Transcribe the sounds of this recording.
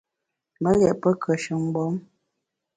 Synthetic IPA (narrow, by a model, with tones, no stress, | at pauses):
mə˦ɣɛ˨ʔpə˦kʰə˨ʃʉ˨˦ŋ˦ɡ͡bɔ˨˦m